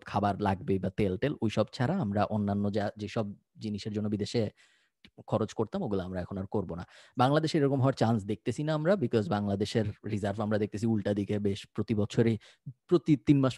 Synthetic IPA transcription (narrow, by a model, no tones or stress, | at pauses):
kʰabaɾlaɡ̚bebat̪elʈelojʃɔbt͡ɕʰaɾaamɾaʔonːanːod͡ʑad͡ʑeʃɔb̚ | d͡ʑiniʃeɾd͡ʑonːobid̪eʃe | kʰɔɾot͡ɕkoɾt̪amoɡuleamɾaɛkʰonaɾkoɾbonabaŋlad̪eʃeɾɔkomɦɔeɾt͡ɕansd̪ek̚t̪et͡ɕʰinaamɾabikɔzbaŋlad̪eʃeɾɾizaɾvamɾad̪ek̚t̪esʰiulʈad̪ikebeʃpɾot̪ibɔt͡ɕʰoɾe | pɾot̪it̪inmaʃ